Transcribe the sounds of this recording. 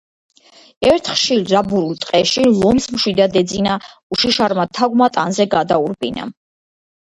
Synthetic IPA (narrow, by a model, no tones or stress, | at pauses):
ɛɾt̪ʰχʃilɾabuɾult̪ʼqʼɛʃilˠɔmsmʃwid̪ad̪ɛd̪zina | uʃiʃaɾmat̪ʰaɡmat̪ʼanzɛɡad̪auɾbʼina̰